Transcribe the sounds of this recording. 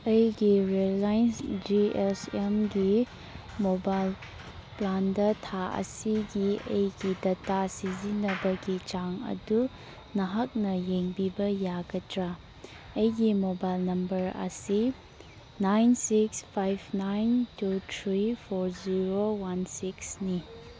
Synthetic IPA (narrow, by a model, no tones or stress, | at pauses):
ɐjɡiɾelajnsd͡ʒiesemɡi | mobajl | plandɐtʰaʔɐ̰siɡiɐjɡidɐtasizinɐbɐɡit͡ʃaŋɐ̰du | nɐɦak̚nɐjeŋbibɐjaɡɐtɾa | ɐjɡimobajlnɐmbɐɾɐ̰si | najnsikspʰajbʰnajntutʰɾipʰoɾziɾowansiksni